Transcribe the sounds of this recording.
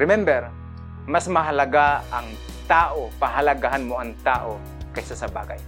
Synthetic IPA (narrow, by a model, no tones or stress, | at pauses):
ɹɪmɛmbɛɾ | masmɐɦɐlɐɡaɐŋ | t̪aːʔopaɦalaɡaɦanmoɐŋt̪aːʔo | kɐsasɐba̰ːɡa̰j